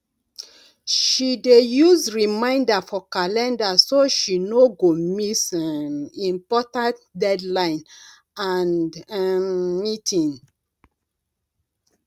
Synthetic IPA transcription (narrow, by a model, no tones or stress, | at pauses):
ʃidejuzɹimãɪ̃ndafɔkalɛ̃ndasoʃinoɡomisanĩmpɔtãntdɛdlãɪ̃n | ananmitʰĩn